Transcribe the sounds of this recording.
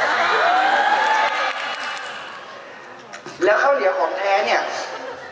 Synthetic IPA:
lɛː˦˥wkʰaː˥˩wni˩˦əwkʰɔː˨˩˦ŋt̪ʰɛː˦˥ni˥˩ɐ

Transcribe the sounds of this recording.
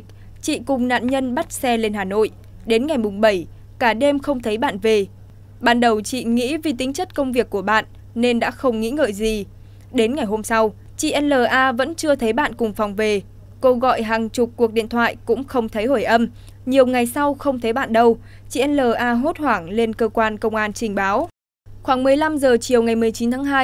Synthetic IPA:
t͡ɕḭ˧˨kʊ˨˩ŋ͡mna̰ː˧˨nɲə˧nɓa˦˥t̚sɛ˧le˧nɦaː˨˩no̰˧˨j | ɗe˨˦nŋa˨˩jmʊ˨˩ŋ͡mɓə˧˩j | kaː˧˩ɗe˧mxə˧wŋ͡mt̪ʰə˨˦jɓa̰ː˧˨nve˨˩ | ɓaː˨˩˨nɗə˨˩wt͡ɕḭ˧˨ŋḭ˧˥vi˨˩t̪ï˨˦ŋ̟t͡ɕə˦˥t̚kə˧wŋ͡mvi˨˩əkːu˧˩əɓa̰ː˧˨n | ne˧nɗa̰ː˧˥xə˧wŋ͡mŋḭ˧˥ŋə̰ː˧˨jzi˨˩ | ɗe˨˦nŋa˨˩jɦo˧msa˧w | t͡ɕḭ˧˨ʔɛ˧nləː˨˩ʔaː˧və̰˧˥nt͡ɕɨ˧ət̪ʰə˨˦jɓa̰ː˧˨nkʊ˨˩ŋ͡mfa˨˩wŋ͡mve˨˩ | ko˧ɣɔ̰˧˨jɦaː˨˩ŋt͡ɕʊ˨˩k͡p̚ːək̚ɗḭ˧˨ənt̪ʰwa̰ː˧˨jkʊ̰˧˥ŋ͡mxə˧wŋ͡mt̪ʰə˨˦jho˧˩jʔə˧m | ɲi˨˩əwŋa˨˩jsa˧wxə˧wŋ͡mt̪ʰə˨˦jɓa̰ː˧˨nɗə˧w | t͡ɕḭ˧˨ʔɛ˧nləː˨˩ʔaː˧ɦo˦˥t̚hwaː˧˩ŋle˧nkəː˧kwaː˧nkə˧wŋ͡mʔaː˧nt͡ɕï˧˩ŋ̟ɓaː˨˦w | xwaː˧˩ŋmɨ˨˩əjla˧mzəː˨˩t͡ɕi˨˩əwŋa˨˩jmɨ˨˩əjt͡ɕi˨˦nt̪ʰaː˨˦ŋɦaː˧

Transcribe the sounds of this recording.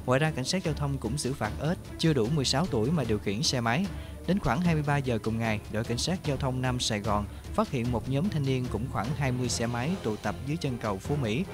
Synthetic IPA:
ŋɔ̰ː˧˨zaː˧ka˧˩jŋ̟saː˦˥t̚zaː˧wt̪ʰə˧wŋ͡mkʊ̰˧˥ŋ͡mzɨ̰˧˥faː˨˩t̚ʔe˦˥t̚t͡ɕɨ˧əɗu˧˩mɨ˨˩əjsaː˨˦wt̪u˧˩əjmaː˨˩ɗi˨˩əwxḭ˧˩ənsɛ˧ma˨˦j | ɗe˨˦nxwaː˧˩ŋɦaː˧jmɨ˧jɓaː˧zəː˨˩kʊ˨˩ŋ͡mŋa˨˩jɗo̰˧˩jka˧˩jŋ̟saː˦˥t̚zaː˧wt̪ʰə˧wŋ͡mna˧msaː˧˩jɣɔ˨˩n | faː˦˥t̚hḭ˧˨ənmo˨˩t̚ɲɔː˨˦mt̪ʰa˧jŋ̟ni˧ənkʊ̰˧˥ŋ͡mxwaː˧˩ŋɦaː˧jmɨ˧əjsɛ˧ma˨˦jt̪ṵ˧˨t̪ə˨˩p̚zɨ˨˦jt͡ɕə˧nkə˨˩wfo˨˦mḭ˧˥

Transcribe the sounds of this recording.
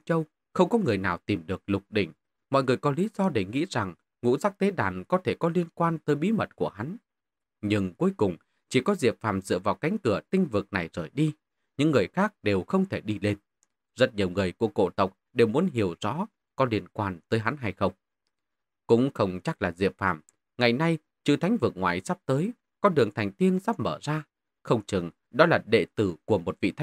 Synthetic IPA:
t͡ɕə˧w | xə˧wŋ͡mkɔ˨˦ŋɨ˨˩əjnaː˨˩wt̪i˨˩mɗɨ˨˩ək̚lʊ˨˩k͡p̚ɗḭ̈˧˩ŋ̟ | mɔ̰˧˨jŋɨ˨˩əjkɔ˨˦li˨˦zɔ˧ɗe˧˩ŋḭ˧˥za˨˩ŋ | ŋṵ˧˥zaː˦˥k̚t̪e˨˦ɗaː˧˩nkɔ˨˦t̪ʰe˧˩kɔ˨˦li˧ənkwaː˧nt̪əː˨˦jɓi˨˦mə˨˩t̚ku˧˩əha˨˦n | ɲɨ˧ŋku˨˦əjkʊ˨˩ŋ͡m | t͡ɕi˨˩kɔ˨˦zi˨˩əp̚faː˨˩mzɨ̰˧˨əvaː˨˩wka˨˦jŋ̟kɨ˧˩ət̪ï˧ŋ̟vɨ˨˩k̚na˨˩jzəː˧˩jɗi˧ | ɲɨ̰˧˥ŋːɨ˨˩əjxaː˦˥k̚ɗe˨˩wxə˧wŋ͡mt̪ʰe˧˩ɗi˧le˧n | zə˦˥t̚ɲi˨˩əwŋɨ˨˩əjku˧˩əko̰˧˨t̪ə˨˩wk͡p̚ɗe˨˩wmu˨˦ənɦi˨˧˩əwz̥ɔ̰˧˥ | kɔ˨˦li˧˩ənkwaː˧˩nt̪əː˨˦jɦa˨˦nɦa˧jxə˧wŋ͡m | kʊ̰˧˥ŋ͡mxə˧wŋ͡mt͡ɕa˦˥k̚laː˨˩zḭ˨˩əp̚fa̰ː˧˩m | ŋa˨˩jna˧j | t͡ɕɨ̰˧˨t̪ʰa˨˦jŋ̟vɨ˨˩ək̚ŋwa̰ː˧˨jsa˦˥p̚t̪əː˨˦j | kɔ˨˦ɗɨ˨˩əŋt̪ʰa˨˩jŋ̟t̪i˧ənzaː˦˥p̚məː˧˩zaː˧ | xə˧wŋ͡mt͡ɕɨ˨˩ŋ | ɗɔ˨˦laː˨˩ɗḛ˧˨t̪ɨ˧˩ku˧˩əmo˨˩t̚vḭ˧˨t̪ʰ

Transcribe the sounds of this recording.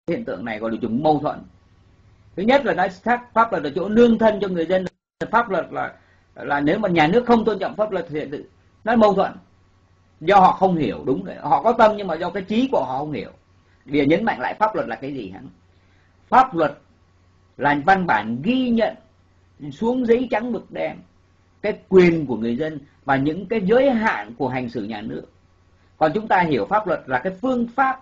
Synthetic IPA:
hḭ˧˨nt̪ɨ̰˧˨əŋna˨˩jɣɔ̰˨la˨˩zʊ˨˩ŋ͡mmə˧wt̪ʰwə̰˧˨n | t̪ʰɨ˨˦ɲə˦˥t̚laː˨˩nɔ˨˦a˦˥k̚faː˦˥p̚lwə˨˩t̚laː˨˩t͡ɕo̰˧˥nɨ˧əŋt̪ʰə˧nt͡ɕɔ˧ŋɨ˨˩əjzə˧nː˨˩faː˦˥p̚lwə˨˩t̚laː˨˩ | laː˨˩ne˨˦wmaː˨˩ɲaː˨˩nɨ˦˥ək̚xə˧wŋ͡mt̪o˧nt͡ɕɔ̰˧˨mfaː˦˥p̚lwə˨˩t̚t̪ʰt̪ɨ̰˧˨ | nɔ˨˦mə˧wt̪ʰwə̰˧˨n | zɔ˧hɔ̰˧˨xə˧wŋ͡mhi˧˩əwɗʊ˨˦ŋ͡mzo̰˨˦hɔ̰˧˨kɔ˨˦t̪ə˧mɲɨ˧ŋmaː˨˩zɔ˧kaː˨˦jt͡ɕi˨˦ku˧˩əhɔ̰˧˨xə˧wŋ͡mhi˧˩əw | i˨˩ɲə˨˦nma̰˧˨ŋla̰ː˧˨jfaː˦˥p̚lwə˨˩t̚laː˨˩kaː˨˦jzi˨˩ha̰˨˦n | faː˦˥p̚lwə˨˩t̚ | laː˨˩va˧nɓaː˧˩nɣi˧ɲə̰˧˨n | su˨˦əŋzə˧˦jt͡ɕa˨˦ŋɓɨ˨˩k̚ɗɛ˧m | kaː˨˦jkwi˨˩ənku˧˩əŋɨ˨˩əjzə˧n | vaː˨˩ɲɨ̰˧˥ŋkaː˨˦jzəː˨˦jɦa̰ː˧˨nku˧˩əɦjŋ̟sɨ˧˩ɲaː˨˩nɨ˦˥ək̚ː | ɔ˨˩nt͡ɕʊ˨˦ŋ͡mt̪aː˧ɦi˧˩əwfaː˦˥p̚lwə˨˩t̚laː˨˩kaː˨˦jfɨ˧əŋfaː˦˥p̚

